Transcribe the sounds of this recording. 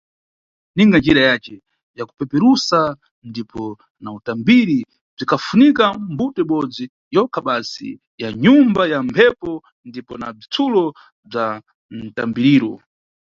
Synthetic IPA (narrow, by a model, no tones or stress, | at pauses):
niŋɡand͡ʒiɾajat͡ʃɛ | jaku̥pɛpɛɾusa | ndipɔ | nautambiɾi | b͡ʐikʰafunikambutɔiɓɔd͡zi | jɔkʰaɓasḭ | jaɲumbajampʰɛpɔ | ndipɔnab͡ʐit͡sʰulɔ | b͡ʐa | n̩ta̰mbiɾiːɾɔ